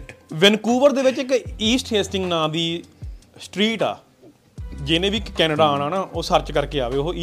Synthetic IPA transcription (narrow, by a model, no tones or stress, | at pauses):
ʋɪnkuːʋəɾd̪eːʋɪt͡ʃɪkiːsʈɦeːsʈɪ̃ŋɡnãːd̪iːsʈɾiːʈa̰ː | d͡ʒɪnẽːʋiːkkːɛːnəɖaːnaːnaːʔoːsəɾt͡ʃkəɾkeːaːʋeːoɦoiː